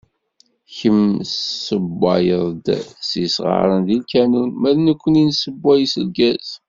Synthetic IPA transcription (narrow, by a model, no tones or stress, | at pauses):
çəmsəbːɑ̰jəðˤd̪sisʁɑ̰ɾˤənðilkænunmæðnəkʷːəninsəbːæjisəlɡæz̥